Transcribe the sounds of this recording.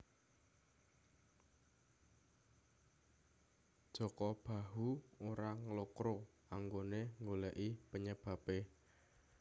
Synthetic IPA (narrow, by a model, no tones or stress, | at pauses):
d̥ʒ̥ɔ̤kɔb̥a̤ɦuoɾaŋlokɾo | aŋɡoneŋɡolɛʔipəɲəb̥ä̤pe